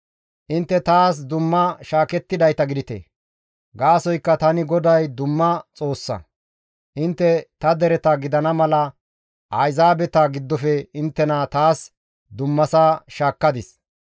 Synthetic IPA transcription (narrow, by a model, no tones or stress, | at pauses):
ʔɪnt̪ːɛt̪aːs̬d̪ʊmːɐʃaːkɛt̪ːɪd̪ɐjt̪ɐɡɪd̪ɪt̪ḛː | ɡaːsɔjkːɐt̪ɐnɪɡɔd̪ɐjd̪ʊmːɐt͡sʼo̞ːsːɐ̰ | ʔɪnt̪ːɛt̪ɐd̪ɛɾɛt̪ɐɡɪd̪ɐnɐmɐlɐ | ʔɐjzaːbɛt̪ɐɡɪd̪ːɔfɛɪnt̪ːɛnɐt̪aːs | d̪ʊmːɐsaːʃaːkːɐd̪ɪs